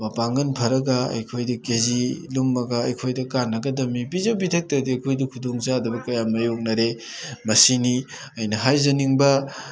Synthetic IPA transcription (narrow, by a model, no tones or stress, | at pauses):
mɐpaŋɡɐnpʰɐɾɐɡɐɐ̰jkʰojdɐkezilumːɐɡɐːjkʰojdɐkanːɐɡɐdɐmibizawbitʰɐk̚tɐdiɐjkʰojdikʰudoŋzaːdubɐkɐjamɐjok̚nɐɾe | mɐsini | ɐjnɐɦajzɐniŋbɐ